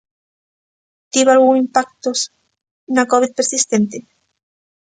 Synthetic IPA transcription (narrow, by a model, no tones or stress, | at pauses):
t̪iβalɣuŋimpak̚t̪os | nakoβit̪̚peɾsist̪ent̪e